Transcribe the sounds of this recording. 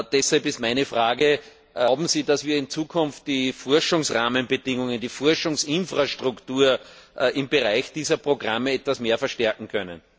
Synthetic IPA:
d̥ɛshalpɪstmaɪnəfʁaːɡə | ʊbm̩ziːdasv̥iːɐɪnt͡suːkʰʊnft̚d̥ifɔɐʃʊŋsʁaːmənbədɪŋʊŋəndiːfɔɐʃʊŋsɪnfʁaʃtʁ̥ʊktuːɐɪmbəʁaɪçd̥iːzɐpʁ̥oɡʁaməɛtvasmeːɐfɛɐʃtɛɐkŋ̩kʰœnə̰n

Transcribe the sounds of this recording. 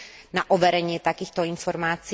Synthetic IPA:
naʔɔʋɛɾɛɲɪɛt̪akiːxt̪oinfɔɾmaːt͡s

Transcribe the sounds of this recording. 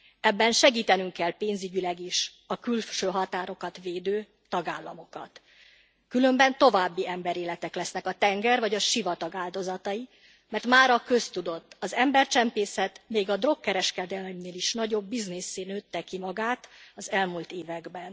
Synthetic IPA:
ɛbːɛnʃɛɡiːt̪ɛnyŋkɛlpeːnzyɟylɛɡiʃ | ɒkylʃøːɦɒt̪aːɾo̞kɒt̪veːd̪øː | t̪ɒɡaːlːɒmo̞kɒ̰t̪ | kylø̞mbɛnt̪o̞vaːbːiɛmbɛɾeːlɛt̪ɛklɛsn̪ɛkɒt̪ɛŋɡɛrvɒɟɒʃivɒt̪ɒɡaːld̪o̞zɒt̪ɒi | mɛrt̪maːɾɒkø̞st̪ud̪o̞t̪ːɒzɛmbɛrt͡ʃɛmpeːsɛt̪meːɡɒd̪ro̞kːɛɾɛʃkɛd̪ɛlmneːliʃnɒɟo̞bːiznesːeːnøːt̪ːɛkimɒɡaːt̪ɒzɛlmult̪eːvɛɡbɛn

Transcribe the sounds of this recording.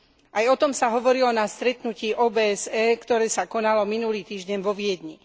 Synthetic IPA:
ʔajɔt̪ɔmsaɦɔʋɔɾilɔnast̪ɾɛt̪nuciːʔɔːbɛːɛzɛːkt̪ɔɾɛːsakɔnalɔminuliːt̪iːʒɟɛɲʋɔʋɪɛd̪ɲi

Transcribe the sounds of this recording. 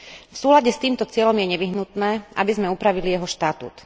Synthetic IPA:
fsuːlaɟɛst̪iːmt̪ɔt͡sɪɛʎɔmjɛɲɛʋiɦnut̪nɛːʔa̰bizmɛupɾaʋilijɛɦɔʃt̪at̪ṵːt̪

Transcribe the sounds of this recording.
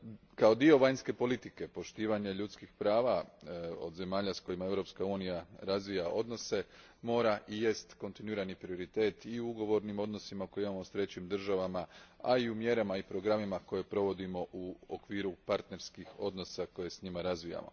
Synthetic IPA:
kao̞d̪io̞ʋaɲske̞po̞lit̪ike̞po̞ʃt̪iːʋaɲe̞ʎut̪skixpɾaːʋao̞̰d̪ze̞maːʎasko̞jimae̞ʋɾo̞pskauːnijaɾazʋijaʔo̞d̪no̞se̞ | mo̞ːɾaʔije̞st̪ko̞nt̪inuiːɾanipɾio̞ɾit̪e̞ːt̪iuuɡo̞ʋo̞ɾnimo̞d̪no̞simako̞jeimamo̞st̪ɾe̞t͡ɕimd̪r̩ʒaʋamaa̰iumje̞ɾamaipɾo̞ɡɾamimako̞je̞pɾo̞ʋo̞d̪imo̞ʔuokʋiːɾupaɾt̪ne̞ɾskixo̞d̪no̞sako̞je̞sɲimaɾazʋija̰mo̞̰

